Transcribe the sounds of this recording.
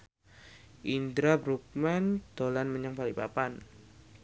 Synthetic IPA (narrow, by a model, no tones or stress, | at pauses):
ʔind̪ɾabɾuk̚mɛnd̪̥olanməɲaŋpalipapan